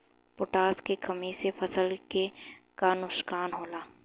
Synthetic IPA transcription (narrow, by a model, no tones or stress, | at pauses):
pʊʈaːskekɐmisefʰɐsəlkekanʊʃkaːnɦoːlaː